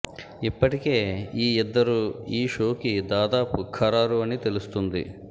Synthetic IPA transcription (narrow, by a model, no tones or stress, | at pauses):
ipːɐʈike̞ːiːɛd̪ːɐɾuiːʃo̞ːkid̪aːd̪aːpukʰɐɾaːɾuɐnit̪e̞lust̪und̪ḭ